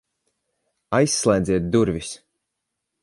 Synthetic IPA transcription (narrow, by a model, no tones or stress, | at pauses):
ajsːlˠɛjd̪zʲiɛt̪̚d̪uɾvʲis